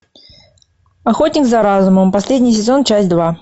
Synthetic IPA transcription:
ɐxotʲnʲɪkzɐɾazʊməmpɐsʲlʲedʲnʲɪjs̬ʲɪzo̞nt͡ɕæsʲtʲd̪va

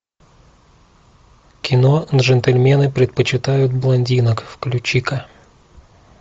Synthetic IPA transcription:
kʲɪnonʐɛnt̪ɛlʲmʲenɨpɾʲɪt̪̚pət͡ɕɪt̪ajʊt̪̚blˠɐnʲdʲinəkfklʲʊt͡ɕikɐ

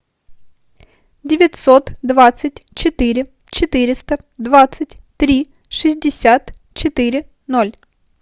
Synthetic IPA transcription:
dʲɪvʲɪt̪ʲsot̪d̪vat̪sɨt̚ʲt͡ɕɪt̪iɾʲɪ | t͡ɕɪt̪ɨɾʲɪst̪ə | d̪vat̪sɨtʲt̪ɾʲi | ʂɨzʲdʲɪsʲat̪ | t͡ɕɪt̪ɨɾʲɪ | no̞lʲ

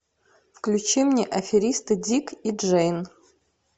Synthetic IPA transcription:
fklʲut͡ʃimnʲeʔɐfʲiɾʲist̪ɨdʲikʰiʐejn

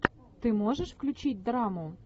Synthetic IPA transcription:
t̪ɨmoʒɛʃfklʲut͡ɕit̚ʲd̪rɑmu

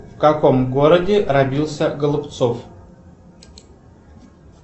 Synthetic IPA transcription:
fkakomɡoɾədʲɪrɐbʲilˠsʲəɡəlˠʊpt̪sof

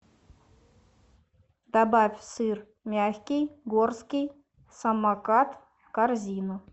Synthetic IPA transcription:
d̪abafʲsɨr | mʲæxʲkʲijɡorskʲij | sɐmːɑkɑt̪ | karzʲinu

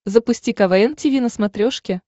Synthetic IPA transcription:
zəpʊsʲtʲikɐvɐentʲɪvʲinəsmɐt̪ɾʲoʂkʲɪ

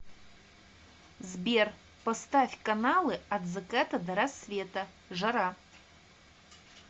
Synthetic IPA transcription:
zbʲer | post̪afʲkʼanalɨadzɨkʼat̪ʰad̪aɾasvʲet̪ʼɐ | ʐaɾa

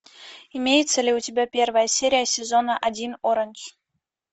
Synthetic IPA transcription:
imʲejt̪t͡sʲɘ̆lʲeutʲebʲæpʲervɑjəsʲeɾʲijasʲezonɑʔadʲinoɾɤ̆nʲɕ

